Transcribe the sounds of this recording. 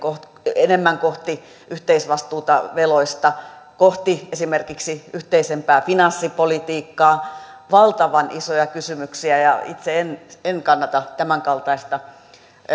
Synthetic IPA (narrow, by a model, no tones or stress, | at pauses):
koht | enemːæŋkoht̪i | ʔyht̪eisʋɑst̪uːt̪ɑʋeloist̪ɑkoht̪iesimerkiksiyht̪eisempæːfinɑnsːipolit̪iːkːɑː | ʋɑlt̪ɑʋɑnʔisojɑkysymyksiæjɑ̰it̪seenenkɑnːɑt̪ɑt̪æmæŋkɑlt̪ɑist̪ɑ